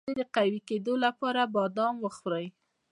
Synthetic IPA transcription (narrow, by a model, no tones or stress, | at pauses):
ed̪əqawiked̪olapɑɾabɑd̪ɑmwəxɾəj